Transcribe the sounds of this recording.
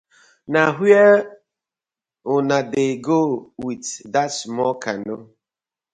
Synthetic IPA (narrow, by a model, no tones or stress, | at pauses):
naɦe | ʊnadeɡowitdasmɔkano